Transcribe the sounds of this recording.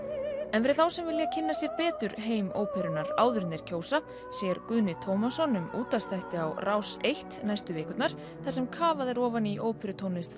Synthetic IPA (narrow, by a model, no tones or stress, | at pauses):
ɛnvɛːɾɪθawsɛmvɪljacʰɪnːasjɛɾpɛːt̪ʏɾɦeːjmo̰wpʰɛɾʏnaɾa̰ːwðʏɾnɪɾ̥cʰoːwsa | sjɛɾkʏðnɪt̪ʰoːwmasɔnːʏmuːt̪ast̪ʰajht̪ɪawrʔawsejht̪najst̪ʏvɪːkʏt̪naɾ̥ | θasɛmkʰaːvaðɪɾɔːvaniʔoːwpʰɛɾʏt̪ʰownɪst̪